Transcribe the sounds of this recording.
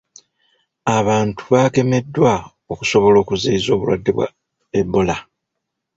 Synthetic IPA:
aβaːntʰu̥βaːke̞me̞dːwa | oku̥so̞βo̞lo̞ːkuziizo̞ːβṵlwa̰dːeβwa̰ | ebːo̞la

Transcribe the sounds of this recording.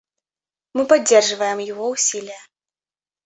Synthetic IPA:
mɨpad͡zʲːɛrʐɨvɐjɛmjaɣɔwsʲilʲijɐ

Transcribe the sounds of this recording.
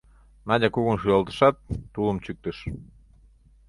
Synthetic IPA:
nɑdʲɑkuɣunʃyɑlˠt̪ə̥ʃɑt̪ːulə̆mt͡ɕyk̚t̪əʃ

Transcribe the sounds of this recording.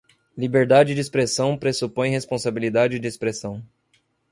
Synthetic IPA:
libeɾd̪ad͡ʒɪd͡ʒɪispɾesɐ̃w̃pɾesupõj̃hespõsabilid̪ad͡ʒɪd͡ʒɪespɾesɐ̃w̃

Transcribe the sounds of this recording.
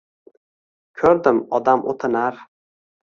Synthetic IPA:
kʲʰɵɾd̪ɪmɒd̪amʔo̰t̪ʰɪnaɾ

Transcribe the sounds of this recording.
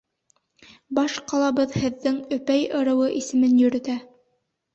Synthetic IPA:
bɑʃqɑlˠɑβɤðhɘ̆ðːɘŋɵ̆pæjɤ̆ɾɤ̆wɤʔisɘ̆mɘnjɵ̆ɾɵ̆t̪æ

